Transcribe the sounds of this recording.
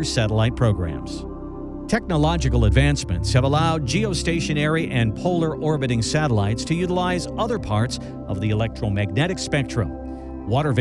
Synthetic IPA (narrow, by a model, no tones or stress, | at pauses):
sæɾəlaɪt̚pʰɹ̥oʊɡɹæ̰̃mz̥ | tʰɛk̚nəlɑd͡ʒɨkl̩ˠədvæ̃nsmɨ̰̃ntshɨvəlaʊd̚d͡ʒioʊsteɪʃɨ̃ñɛɹiʔɨ̃npʰoʊlˠə˞ʔɔɹbɨɾɪ̃ŋsæɾəlaɪtstʰɨjʉɾəlaɪzʌðə˞pʰɑɹts | ʔʌvðiɨlɛk̚tɹ̥oʊmæɡ̚nɛɾɨkspɛk̚tɹ̥ɨ̰̃m | wɔɾə˞v